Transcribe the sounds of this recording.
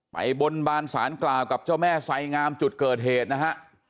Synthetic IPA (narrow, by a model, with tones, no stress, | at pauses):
ma̰˨˩jbo˧nbaː˧nsaː˩˦nklaː˨˩wka˨˩p̚t͡ɕaː˥˩wmɛː˥˩sa˧jŋaː˧mt͡ɕu˨˩t̪̚kɤː˨˩t̪̚ɦeː˨˩t̪̚na˦˥kʰa˦˥ʔ